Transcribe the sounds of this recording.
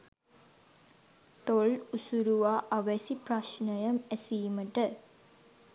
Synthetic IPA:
t̪oɭusuɾuʋaːʔaʋɛsipraʃnəjɐmæsiːməʈə

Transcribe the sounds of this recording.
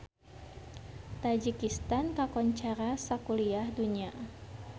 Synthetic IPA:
t̪ad͡ʒikist̪ankakɔɲt͡ʃaɾasakuliahduɲia

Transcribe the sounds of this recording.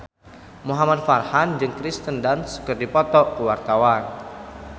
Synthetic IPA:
muɦamad̚farhand͡ʒɨŋkɾist̪əndansə̥kərdipɔt̪ɔkəwart̪awan

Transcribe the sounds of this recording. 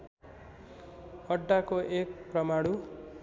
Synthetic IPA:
ʌɖːakoʔek̚prʌmaɽu

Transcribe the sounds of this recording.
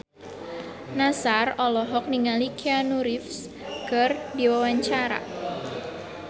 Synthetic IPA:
nasarɔlɔɦɔk̚niŋalikʰeanuɾɪfs | kərdiwawaɲt͡ʃaɾa̰

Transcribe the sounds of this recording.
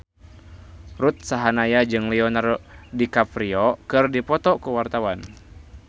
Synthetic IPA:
rut̪̚saɦanajad͡ʒɨŋliɔnardikapɾiɔkɨrdipɔt̪ɔkuwart̪awan

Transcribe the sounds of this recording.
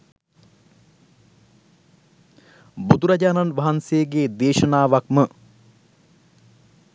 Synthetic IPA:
bud̪uɾɐd͡ʒaːnanʋaɦansejɡeːd̪eːʃɐnaːʋakmə

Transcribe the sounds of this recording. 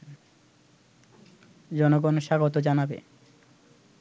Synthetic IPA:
d͡ʑɔnoɡonʃaɡot̪od͡ʑanabḛ

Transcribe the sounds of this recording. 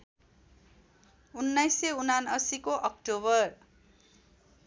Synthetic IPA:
unːajseunanʌsikoʔʌkʈoβʌr

